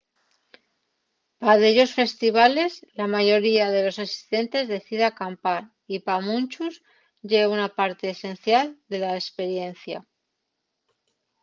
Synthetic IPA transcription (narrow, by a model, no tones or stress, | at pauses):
paðeʎo̞sfe̞st̪iβ̞ale̞zlamaʝo̞ɾiaðe̞lo̞sasi̥st̪e̞nt̪e̞zðe̞θiðeakampaɾ | ipamũnt͡ʃuz | ʝeβunapaɾt̪e̞ːse̞nθjald̪e̞laespe̞ɾje̞n̟θja